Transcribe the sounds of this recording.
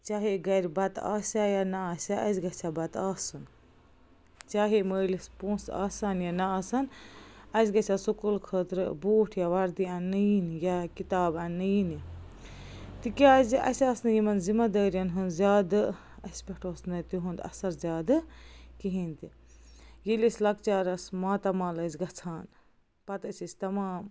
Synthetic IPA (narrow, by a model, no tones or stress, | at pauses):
t͡ʃaːɦeɡɐɾʲbɐt̪a̰ːsʲajanasʲaʔɐzɡɐt͡ʃʰabɐt̪aːsun | t͡ʃaːɦeməːlispõːsa̰ːsaːnjanɐːsaːnɐzɡɐt͡ʃasukulkʰəːt̪ɾboːʈʰjaʋɐɾd̪iɐnːɨnjakit̪aːbɐnːɨin | t̪ikʲazɐ̰sʲaːsnjimɐnzimɐd̪aːɾijɐnɦund̪zʲaːd̪ | ɐsʲpʲekʰʈoːsnɐt̪iɦund̪ɐ̰sɐɾzʲjaːd̪ɨkiɦint̪i | jilisʲlɐk̚t͡ʃaːɾɐsmaːt̪ɐmaːlɐzɡɐt͡sʰaːn | pɐt̪əsisʲt̪ɐmaːm